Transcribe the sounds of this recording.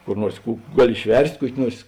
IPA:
kʊr ˈnuɔrs ˈkuː ˈɡɑːˌlʲɪ ɪʃʲˈʋʲɛrʲsʲtʲ ˈkuɔkʲɪ ˈnuɔrs

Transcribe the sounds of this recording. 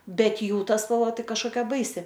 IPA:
ˈbʲɛt ˈjuː ˈtɐ spɐlˠˈʋɐ ˈtɐɪ kɐʃkoːˈkʲɛ ˈbɐɪsʲɪ

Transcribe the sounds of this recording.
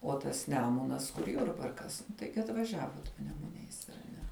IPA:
oː tɐs ˈnʲæːmʊnɐs kʊr ˈjʊrbɐrkɐs nʊ ˈtɐɪɡʲɪ ɐtʋɐˈʒʲæːʋoːt pɐnʲɛmʊˈnʲɛɪs ɐr ˈnʲɛ

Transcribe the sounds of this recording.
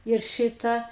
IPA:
ɪr ˈʃʲɪtɐ

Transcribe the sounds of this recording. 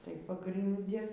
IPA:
tɐɪ pɐɡrʲɪnʲˈdʲɪ

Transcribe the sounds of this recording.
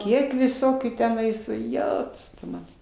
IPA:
ˈkʲiɛk ʋʲɪˈsoːkʲuː tʲɛˈnɐɪs ˈjæːtʊs tʊ ˈmɑːnɐ

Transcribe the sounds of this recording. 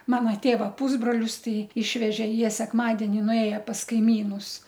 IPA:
ˈmɑːnɐ ˈtʲeːʋɐ ˈpuːzbroːlʲʊs ˈtɐɪ ˈɪʃʲʋʲɛʒʲeː ˈjiɛ sʲɛkˈmɑːdʲɛnʲɪ nʊˈeːjɛ pɐs kɐɪˈmʲiːnʊs

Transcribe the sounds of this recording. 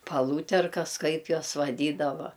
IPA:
pɐˈlˠuːtʲɛrkɐs ˈkɐɪp ˈjuɔs ʋɐˈdʲiːdɐʋɐ

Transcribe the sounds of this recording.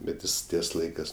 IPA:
bʲɛt ˈjɪs ˈtʲiɛs ˈlˠɐɪkɜs

